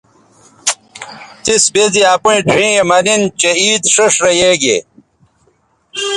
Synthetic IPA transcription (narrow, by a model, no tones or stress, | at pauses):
t̪isbeziaːpuĩɖʰʱĩːemɐnint͡ɕeiːd̪ʂɐʂɾɐjeːɡḛ